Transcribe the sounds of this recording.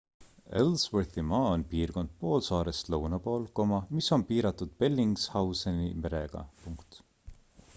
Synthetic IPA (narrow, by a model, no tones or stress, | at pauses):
elswørθimɑːonpiːrko̞nd̪̥̚po̞ːlsɑːɾest̪lɤwnɑpo̞ːlko̞mɑmiso̞npiːɾɑt̪ːˑud̪̥̚pe̞lʲːiŋɡshɑwsenḭme̞ɾeɡ̥ɑ̰puŋkt̪